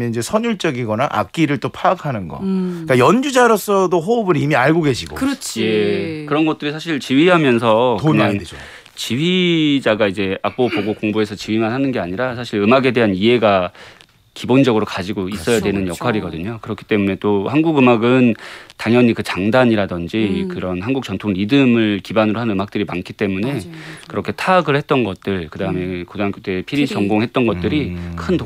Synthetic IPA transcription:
mjʌnid͡ʑe̞sʰʌɲuɭt͡ɕ͈ʌɡiɡʌna̰ʔa̰k̚k͈iɾɯɭt͈opʰaakʰanɯnɡʌ̰ik͈ajʌnd͡ʑud͡ʑaɾos͈ʌdoɦobɯɾimiaɭɡoɡe̞ɕʰiɡo̰kɯɾʌt͡ɕʰjekɯɾʌnɡʌt̚t͈ɯɾisʰaɕʰiɭt͡ɕiɥiɦamjʌns̬ʰʌkɯɲao | t͡ɕiɥid͡ʑaɡaid͡ʑe̞ak̚p͈opoɡokoŋbue̞sʰʌt͡ɕiɥimanhanɯnɡe̞aɲiɾasʰaɕʰiɾɯmaɡe̞de̞ɦaniɦe̞ɡa | kibond͡ʑʌɡɯɾokad͡ʑiɡois͈ʌjadwenɯnjʌkʰaɾiɡʌdɯɲokɯɾʌkʰi̥t͈e̞mune̞t͈ohanɡuɡɯmaɡɯntaŋjʌɲikɯt͡ɕaŋdaɲiɾadʌnd͡ʑikɯɾʌnɦanɡuk̚t͡ɕ͈ʌntʰoŋɾidɯmɯɭkibanɯɾoɦannɯmak̚t͈ɯɾimankʰit͈e̞mune̞kɯɾʌkʰe̞tʰaɡɯɭhe̞t̚t͈ʌnɡʌt̚t͈ɯɭkɯdaɯme̞kodaŋk͈ot͈ʰepʰiɾit͡ɕʌŋɡoŋɦe̞t̚t͈ʌnɡʌt̚t͈ɯɾikʰɯnt

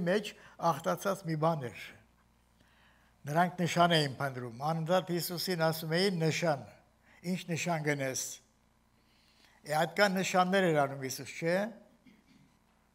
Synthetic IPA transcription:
mɛt͡ʃʰɑχt̪ɑt͡sʰɑt͡smibɑnɛɾ | nəɾɑŋkʰnəʃɑnɛjinpʰənd̪ɾumɑnənt̪ʰɑt̪hisusinɑsumɛjinːəʃɑn | int͡ʃʰnəʃɑnɡənɛs | ɛɑjt̪̚kʰɑnːəʃɑnːɛɾɛɾɑnumhisust͡ʃʰɛ

